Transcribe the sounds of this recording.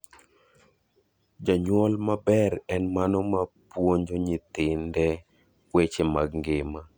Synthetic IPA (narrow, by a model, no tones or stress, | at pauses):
d͡ʒaɲwɔlmabɛɾɛnmanɔmapwoɲd͡ʒoɲɪt̪ɪndɛ | kwet͡ʃemaɡŋɡɪma